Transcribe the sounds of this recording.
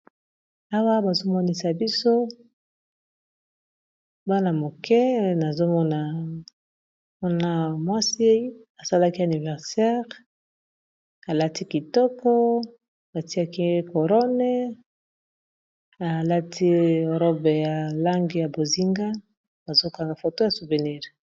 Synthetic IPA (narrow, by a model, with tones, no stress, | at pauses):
a˦wa˦ba˨zo˦mɔ˦ni˦sa˨bi˦so˦ | ba˦na˨mo˨kʰɛ˦na˨zo˦mɔ˦na˨ | m˦na˦mwa˦si˦e˦a˨sa˦la˦ki˦a˨ni˨vɛ˨ʁsɛ˦ʁ | a˨la˦ti˦ki˨tɔ˦kɔ˦ | a˨ti˦a˦ki˦ko˨ʁɔ˦nɛ˦ | a˨la˦tʰi˦o˨ʁɔ˦be˨ja˨la˦ŋɡi˨ja˨bo˨zi˦ŋɡa˦ | a˨zo˦ka˨ŋɡa˨fo˨to˦ja˨su˨ve˨ni˦˨ʁ